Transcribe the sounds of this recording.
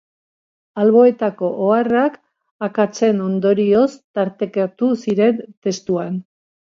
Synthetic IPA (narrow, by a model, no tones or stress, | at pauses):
alβo̞e̞t̪ako̞ʔoarak | akat͡se̞no̞nd̪o̞ɾio̞st̪aɾt̪e̞kat̪usiɾe̞nt̪e̞st̪uan